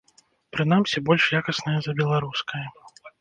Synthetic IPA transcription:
pɾɨn̪amsʲibɔlʲʂjakɐsnɐjɐzɐbʲɛlˠaɾuskʰɐjɐ

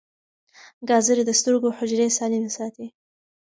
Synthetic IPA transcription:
ɡɑzəɾd̪əst̪əɾɡohʊd͡ʒɾesɑlinsɑt̪i

